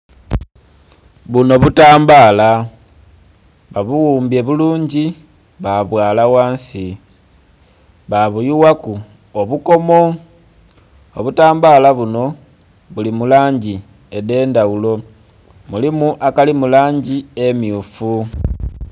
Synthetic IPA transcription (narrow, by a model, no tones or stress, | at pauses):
βuno̞βutaːmbaːla | βaβuwuːmbie̞βuluːɲɟi | βaβwaːlawaːnsi | βaβujuwaku | oβuko̞mo̞ | o̰βutaːmbaːlaβuno̞ | βulimulaːɲɟi | e̞de̞ːndawulo̞ | mulimuʔakalimulaːɲɟie̞miufu